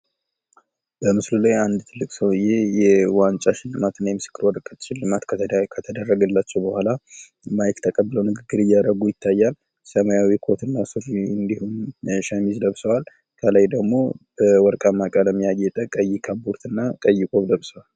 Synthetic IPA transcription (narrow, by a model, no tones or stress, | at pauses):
bəmɨslulajand̪t̪ʰɨlːɨkʼsəwjejɛwant͡ʃʼaʃɪlːɨmat̪ɨnːajɛmɨsɨ̥kːɨɾwɔɾk̪ʼʃɪlːɨmat̪kʰət̪ʰəd̪ərːəɡəlːat͡ʃːɛwbəhʷala | majkt̪ʰəkʼəbːɨləwnɨɡɨɡːɨɾɨjːaɾəɡujɪt̪ʰːajːal | səmajawikʰo̞t̪ʰɨnːasoɾɨnd̪ihunʃəmizd̪əβsəwal | kʰəlajd̪əɡmo̞̰b̥əwɔɾkʼamːakʼaləmːijajːɛt̪ʼəkʼəjːɪkʰaboɾt̪ʰɨnːakʼəjːɪkʼoβd̪əβsəwal